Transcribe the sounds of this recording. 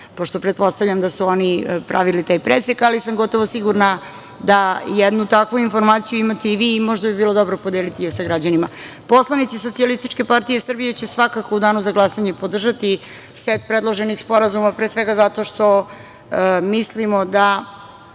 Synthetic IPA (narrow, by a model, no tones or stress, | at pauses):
po̞ʃt̪o̞pɾet̪̚po̞st̪avʎamd̪asuo̞nipɾaʋilit̪aːjpɾesekalisamɡo̞t̪o̞ʋosiɡuɾna | d̪ajɛd̪nut̪akʋuinfo̞ɾmaːt̪sijuimat̪eiʋiːmo̞ʒd̪abibiːlˠo̞d̪o̞bɾopod̪eːlit̪ijesaɡɾad͡ʑanima | po̞slˠanit̪iso̞t̪ialist̪it͡ʃke̞paɾt̪ijesr̩bijet͡ɕe̞sʋakakoud̪aːnuzaɡlˠasaɲepo̞d̪r̩ʒat̪i | set̪̚pɾed̪lˠo̞ʒenixspo̞ɾazumapɾesʋeɡazat̪o̞ʃt̪o̞ | mislimo̞d̪a